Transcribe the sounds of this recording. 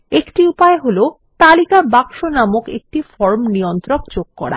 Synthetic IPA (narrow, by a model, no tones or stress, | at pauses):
ekʈiupaeɦolo | t̪alikabakʃonamokḛk̚ʈifɔɾmniont̪ɾokd͡ʑoɡ̚kɔɽa̰